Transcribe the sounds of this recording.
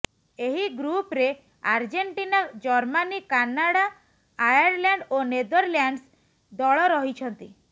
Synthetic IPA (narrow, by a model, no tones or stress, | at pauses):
eɦiɡɾupɾe | aɾd͡ʒeɳʈinad͡ʒɔɾmanikanːaɽa | ajaɾlaɳɖoned̪ɔɾljaɳɖs | d̪ɔɭɔɾɔɦit͡ʃʰɔnt̪i